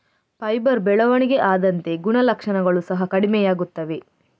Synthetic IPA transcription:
pɐjbɐɾbɛɭɐʋɐɳiɡe̞ʔaːd̪ɐnt̪e̞ɡuɳɐlɐkʂɐɳɐɡɐɭusɐɦɐkɐɽimɛjaːɡut̪ːɐʋe̞

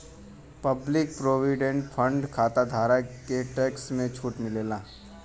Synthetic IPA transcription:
pəblɪk̚pɾoːʋiɖẽɳʈpʰə̃ɳɖkʰaːt̪ad̪ʱaːɾakeʈɛːksmẽt͡ʃʰuːʈmɪleːlaː

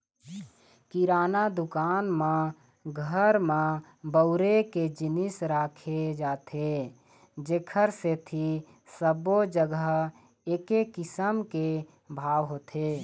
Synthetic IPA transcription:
kiɾaːnad̪ʊkaːnmã | ɡʱəɾmã | bəʊɾeked͡ʒɪnɪsɾaːkʰed͡ʒaːt̪ʰe | d͡ʒeːkʰəɾset̪ʰi | səbod͡ʒəɡəɦ | eːkekɪsəmke | bʱaːwɦoːt̪ʰe

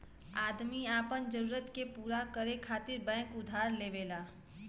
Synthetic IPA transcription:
aːd̪miaːpənd͡ʒəɾuːɾət̪kepuːɾakəɾekʰaːt̪ɪɾbɛ̃ːkʊd̪ʱaːɾleːʋeːlaː

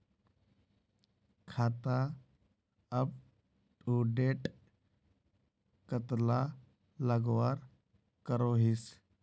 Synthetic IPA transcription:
kʰaːt̪a | əb | ʈuːɖeːʈ | kət̪la | ləɡwaːɾ | kəɾoːɦɪs

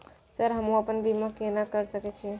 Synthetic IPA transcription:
səɾɦəmũəpənbiməkːenakəɾsəkɛt͡ʃʰi

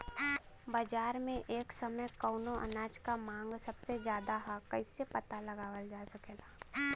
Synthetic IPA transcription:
baːd͡ʒaːɾmẽʔeːksɐməjkəːnõʔɐ̰naːt͡ʃkamãːŋɡsɐbsezjaːd̪aɦakɐɪsepɐt̪alɐɡaːʋəld͡ʒaːsɐkeːlaː

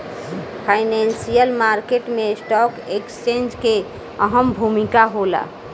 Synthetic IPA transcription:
pʰajnensijəlmaɾkeʈmesʈɔkekst͡ʃẽnd͡ʒke | əɦəmbʱumikaɦola̰

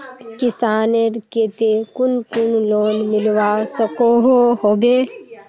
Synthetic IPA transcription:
kɪsaːneɾket̪ekʊnkʊnloːnmɪlwasəkoːɦoɦoːbe

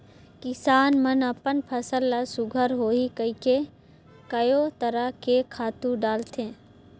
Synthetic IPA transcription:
kɪsaːnmənɐpənpʰəsəlːasʊɡʱəɾɦoːikəike | kəjoːt̪əɾəkekʰaːt̪ũɖaːlt̪ʰẽː

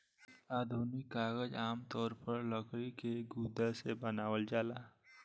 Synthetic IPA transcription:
aːd̪ʱuːnɪkːaːɡəd͡ʒaːmt̪ɔːɾpəɾləkɾikeɡuːd̪asebənaːwəld͡ʒaːlaː

